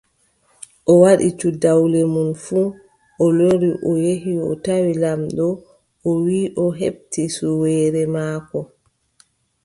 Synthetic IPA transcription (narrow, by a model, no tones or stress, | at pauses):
ʔɔwaɗḭt͡ʃudawlɛmunfuː | ʔɔloɾiʔɔjeɦiɔ̰tawilamɗɔ | ʔɔwiːʔɔɦḛɓ̚tisuwɛːɾɛmaːkɔ